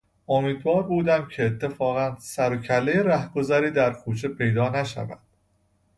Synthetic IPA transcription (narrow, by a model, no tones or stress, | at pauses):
ʔomiːd̪vɒːɾbuːd̪æmcʰe̞ːt̪ʰːe̞fɒːɣænsæɾocʰælːejeɾæhɡ̥o̞zæɾiːd̪æɾkʰuːt͡ʃʰe̞pʰe̞jd̪ɒːnæʃæ̰væ̰d̪̥